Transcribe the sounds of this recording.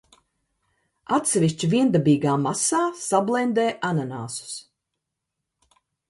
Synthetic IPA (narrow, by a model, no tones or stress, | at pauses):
at̪sɛvʲiʃt͡ʃiviɛnd̪abiːɡaːmasaːsablˠɛnd̪ɛːʔanana̰ːsu̥s